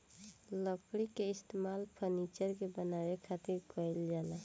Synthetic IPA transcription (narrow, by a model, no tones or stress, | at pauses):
ləkɽikeɪst̪emalpʰəɾnit͡ʃəɾkebənaɾekʰat̪iɾkəild͡ʒala